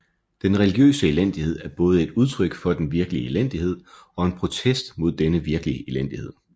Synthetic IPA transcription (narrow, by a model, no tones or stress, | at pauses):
d̥enʁɛliɡ̥jø̰ːsəelen̰d̥ihe̝ð̞̰ˠæɐb̥ɔ̽ːð̞̩ˠəe̝d̥uð̞ˠt͡sʰʁœɡ̥fɒ̽d̥enʋiɐɡ̥əlielen̰d̥ihe̝ð̞̰ˠɒ̽e̝npʰʁo̝t͡sʰesd̥mo̝ð̞ˠd̥enəʋiɐɡ̥əliəʔelen̰d̥ihe̝ð̰ˠ